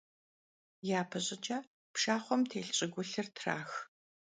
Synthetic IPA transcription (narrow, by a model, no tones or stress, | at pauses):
jaːpʰɨɕʼɪd͡ʒɐ | pʃaːχʷɔmtʰeːɬɕʼɪɡʷʊɬɨrtʰra̰ːx